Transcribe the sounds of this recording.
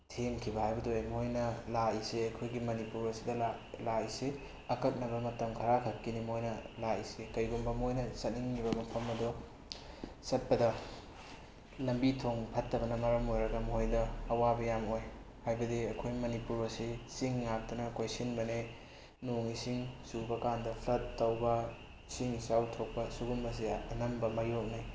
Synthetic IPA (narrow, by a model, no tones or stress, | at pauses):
tʰeŋkʰibɐhajbɐdojamhojnɐlaiseɐkʰojɡimɐnipuɾɐsidɐlalaise | ɐkɐk̚nɐbɐmɐtɐmkʰɐɾakʰɐkːinimojnɐlaisekɐjɡumbɐmojnɐsɐt̚niŋkibɐmɐpʰɐmɐdɔ | sɐt̚pɐdɐ | lɐmbitʰoŋpʰɐtːɐbɐnɐmɐɾɐmojɾɐɡɐmhojdɐːwabɐjamoj | hajbɐdiɐkʰojmɐnipuɾɐsisiŋːak̚tɐnɐkʰojsinbɐne | nuŋisiŋsubɐkandɐpʰlɐtːɐwbɐ | siŋsawtʰok̚pɐsuɡumbɐs̬iɐnɐmbɐmajok̚naj